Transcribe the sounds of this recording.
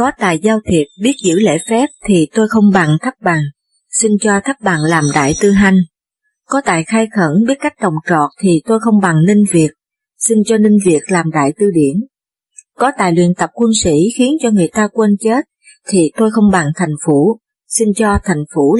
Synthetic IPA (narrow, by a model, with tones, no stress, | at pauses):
kɔ˨˦t̪a̰ː˧˨jzaː˧wt̪ʰi˨˩ət̚ɓi˦˥ət̚zɨ̰˧˥lḛ˧˥fɛ˦˥p̚t̪ʰi˨˩t̪o˧jxə˧wŋ͡mɓa˨˩ŋt̪ʰa˦˥k̚ɓa˨˩ŋ | si˧nt͡ɕɔ˧t̪ʰa˦˥k̚ɓa˨˩ŋlaː˨˩mɗa̰ː˧˨jt̪ɨ˧ɦa˧jŋ̟ | kɔ˨˦t̪a̰ː˧˨jxaː˧jxə̰˧˥˩nɓi˦˥ət̚kːa˦˥jk̚ɗə˨˩wŋ͡mt͡ɕɔ̰˧˨t̚t̪ʰi˨˩t̪o˧jxə˧wŋ͡mɓa˨˩ŋni˧ŋ̟vi˨˩ək̚ | si˧nt͡ɕɔ˧nï˧ŋ̟vi˨˩ək̚laː˨˩mɗa̰ː˧˨jt̪ɨ˧ɗi˧˩ən | kɔ˨˦t̪a̰ː˧˨jlwḭ˧˨ənt̪ə˨˩p̚kwu˧nsḭ˧˥xi˨˦ənt͡ɕɔ˧ŋɨ˨˩əjt̪aː˧kwə˧nt͡ɕe˦˥t̚ | t̪ʰi˨˩t̪o˧jxə˧wŋ͡mɓa˨˩ŋt̪ʰa˨˩jŋ̟fu˧˩ | si˧nt͡ɕɔ˧t̪ʰa˨˩jŋ̟fu˧˥